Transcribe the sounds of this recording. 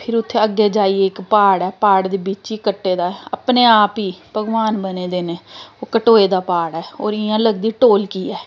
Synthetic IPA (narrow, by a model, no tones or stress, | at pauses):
pʰɪɾʊt̪ʰːeːəɡːeːd͡ʒaːiːeːɪkpaːɽɛːpaːɽd̪eːbit͡ʃiːkəʈːeːd̪aːɛa̰pneːaːpiːbʱəɡʋaːnbəneːd̪eːneːoːkəʈoːeːd̪aːpaːɽɛːoːɾɪãːləɡd̪iːʈoːlkiːɛː